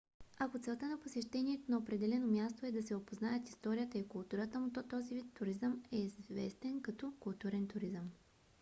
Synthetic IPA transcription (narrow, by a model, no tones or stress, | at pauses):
ɐkot̪sɛlˠt̪ənɐposɛʃt̪ɛniɛt̪onɐopɾɛd̪ɛlɛnomjast̪oɛd̪ɐsɛopoznajɛt̪ist̪ɔɾijət̪əikʊlˠt̪uɾət̪əmut̪ɔt̪ɔzivit̪ːʊɾizəmɛizvɛst̪ɛnkɐt̪ɔkʊlˠt̪uɾɛnt̪ʊɾizəm